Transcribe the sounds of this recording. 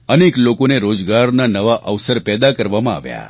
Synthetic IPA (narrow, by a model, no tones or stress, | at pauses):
əneklokoneɾod͡ʒɡaɾnanəʋaʔəʋsəɾpɛd̪akəɾʋamãa̰ʋja̰